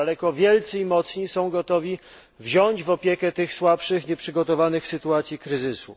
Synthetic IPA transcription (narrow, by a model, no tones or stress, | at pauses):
alɛkɔvʲjɛlt̪sɛimɔt̪sɲisɔ̃w̃ɡɔt̪ɔvʲi | vʑɔɲd͡ʑvɔpʲjɛkɛt̪ɘxswapʂɘxɲɛpʂɘɡɔt̪ɔvanɘxsɘt̪uat̪sʲjikɾɘzɘsṵ